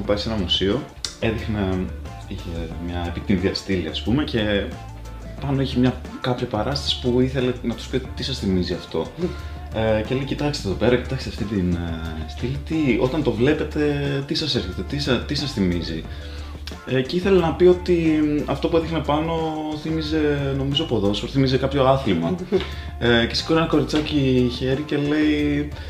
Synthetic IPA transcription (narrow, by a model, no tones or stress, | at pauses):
pɐɾisenɐmusio̞ | e̞ðixne | içemɲɐepit̪inðiɐst̪ilḭɐ̰spume̞ce̞ | pɐno̞içemɲɐkɐpçɐpɐɾɐst̪ɐsi̥puiθe̞le̞nɐt̪u̥spit̪isɐsθimiziɐft̪o̞ | ecelecit̪ɐkst̪eðo̞pe̞ɾɐcit̪ɐksteft̪it̪inst̪ilit̪io̞t̪ɐnt̪o̞vle̞pe̞t̪e̞t̪isɐseɾçe̞t̪e̞t̪isɐt̪isɐsθimizḭ | eceiθe̞lenɐpio̞t̪iɐft̪o̞puðixnepɐno̞θimize̞no̞mizopo̞ðo̞spoθimizekɐpço̞ɐθlimɐ̰ | ce̞si̥koɾenɐko̞ɾit͡sɐciçe̞ɾice̞le̞i